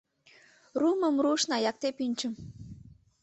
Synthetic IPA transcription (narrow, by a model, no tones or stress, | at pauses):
ruməmruʃnɑjɑk̚t̪epynʲt͡ɕə̆m